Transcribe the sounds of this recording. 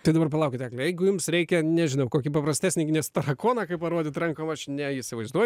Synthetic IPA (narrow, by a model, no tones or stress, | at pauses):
t̪ɐɪd̪ɐbɐrpɐlˠɐʊkʲɪt̪ʲæːklʲɛjɛɪɡʊjumsɾʲɛɪkʲɛnʲɛʒʲɪnɐʊkoːkʲipɐprɐsʲt̪ʲæːsʲnʲɪɡʲɪnʲɛst̪ɐɾɐkoːnɑkɐɪpɐɾoːdʲɪt̪ɾɐŋkoːmɐʃnʲɛɪsʲɪʋɐɪzd̪uɔjʊ